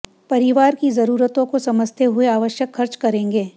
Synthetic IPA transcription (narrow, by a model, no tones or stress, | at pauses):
pɐɾɪʋaːɾkizɐɾuːɾət̪õkosɐməd͡ʒʱt̪eɦʊeaːʋəʃjəkxɐɾt͡ʃkɐɾẽːŋɡeː